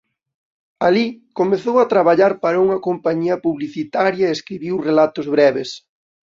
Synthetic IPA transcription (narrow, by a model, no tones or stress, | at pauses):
alikomeθowɐt̪ɾaβaʎaɾpaɾɐuŋɐkompaɲiɐpuβliθit̪aɾjɐeeskɾiβiwrelat̪ʊzβɾɛβes